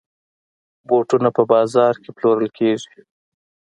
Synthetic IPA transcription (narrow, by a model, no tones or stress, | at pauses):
boʈunapəbɑzɑɾkeploɾəlkʰeʒi̥